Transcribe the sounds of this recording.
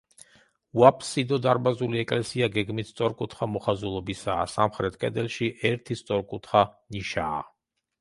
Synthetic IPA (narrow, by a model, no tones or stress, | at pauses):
wapʰʼsid̪ɔd̪aɾbazuliɛkʼlɛsiaɡɛɡmist̪sʼɔɾkʼut̪ʰχamɔχazulˠɔbisaːsamχɾɛt̪ʰkʼɛd̪ɛlˠʃiʔɛɾt̪ʰist̪sʼɔɾkʼut̪ʰχaniʃa̰ː